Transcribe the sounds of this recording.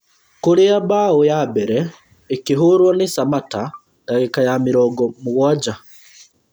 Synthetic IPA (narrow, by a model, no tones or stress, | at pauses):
kuliabawojabeɾeː | kiɦuɾwonisamata | daɣekajamiɾoɡomuɣwaɟa